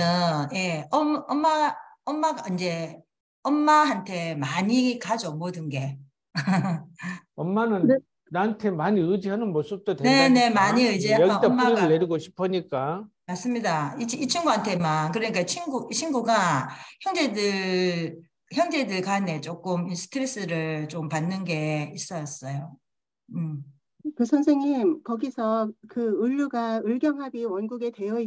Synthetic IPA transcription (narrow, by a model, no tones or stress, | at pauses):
ʌje̞ʌmʌmːaʌmːaɡaind͡ʑe̞ | ʌmːaɦantʰe̞maɲikad͡ʑomodɯnɡe̞ | ʌmːanɯne | nantʰe̞maɲiɯd͡ʑiɦanɯnmos͈up̚t͈odene̞ne̞maɲiɯd͡ʑiajʌɡiat͈ammːaiɡɯɭːeɾuɡoɕʰi̥pʰʌɲik͈amas͈ɯmɲidait͡ɕʰit͡ɕʰinɡuantʰe̞mankɯɾʌɲik͈at͡ɕʰinɡut͡ɕʰinɡuɡaçjʌŋd͡ʑe̞dɯ | çjʌŋd͡ʑe̞dɯɭɡane̞t͡ɕ͈ok͈ɯmisʰɯ̥tʰɯɾes͈ɯɾɯɭt͡ɕ͈ompanːɯnɡe̞is͈ʌjʌs͈ʌjo | ɯm | kɯsʰʌnsʰeŋɲimkʌɡisʰʌkɯɯʎːuɡaɯɭɡjʌŋɦabiwʌnɡuɡe̞te̞jʌi